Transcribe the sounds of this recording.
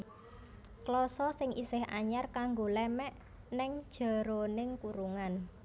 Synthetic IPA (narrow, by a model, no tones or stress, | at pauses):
klɔsɔsɪŋʔḭsɪhʔa̰ɲarkaŋɡolɛmɛʔ | nɛŋd̥ʒ̥a̤ɾonɪŋkuɾuŋan